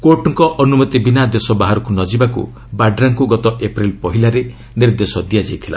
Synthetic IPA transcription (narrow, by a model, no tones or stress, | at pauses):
koʈɔŋkɔʔɔnumɔt̪ibinad̪esɔbaɦaɾɔkunɔd͡ʒibakṵ | baɖɾaŋkuɡɔt̪ɔʔepɾilpɔɦilaɾe | niɾd̪esɔd̪ijad͡ʒajt̪ʰila̰